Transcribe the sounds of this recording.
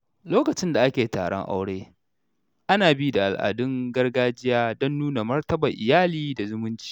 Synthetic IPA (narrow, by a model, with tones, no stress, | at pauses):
loː˦kɐ˨t͡ʃɪ˦nda˨ʔa˦kʲeː˨ta̰ː˨ɽɔ̰˦ŋʔa̰˦wɽeː˦ | ʔa˦naː˨bi˦da˨ʔa̰˨lʔa̰ː˨dʊ˦ŋɡɐ˦rɡaː˦d͡ʒɪ˦jaː˦dɔ˦nːuː˦na˨mɐ˦rtɐ˦ba˨ʔɪ˨jaː˦liː˨da˨zʊ˦mʊ˦nt͡ʃi̥˨